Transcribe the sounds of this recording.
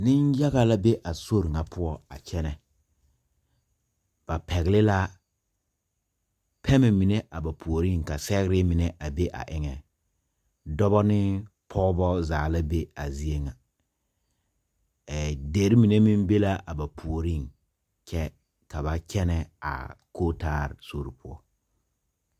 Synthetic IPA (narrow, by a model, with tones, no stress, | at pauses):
nɪ˦nja˦ɣa˨la˦be˦ʔa˨so˦ɾŋa˨pʰʊ˦ɔ˨a̰˨t͡ʃɛ˦nɛ˨ | b̥a˨pɛ˨ɣɪ˨lɪ˦la˦ | pʰɛ˦mɛ˨mi˨ne˦ʔa˨ba˨pʰu˨o˨ɾi˦˨ŋ˨ka˨sɛ˦ɣɾɪ˦mɪ˨nɛ˦ʔa˨be˦ʔa̰˨ʔɪ˦ŋɛ˨ | dɔ˦bɔ˦nɪ˦ | pʰɔ˦bɔ˦zaː˨la˦be˦a˨zi˦e˦ŋa˨ | de˨˦ɾi˦mi˨ne˦mi˦nbe˦la˦a˨ba˨pʰu˨o˨ɾi˦˨ŋ | t͡ʃɛ˦ | ka˨ba˨kɛ˦nɛ˨a̰˨kʰoː˦taː˦˨ɾɪ˨so˦ɾi˨pʰʊ˦ɔ̰˦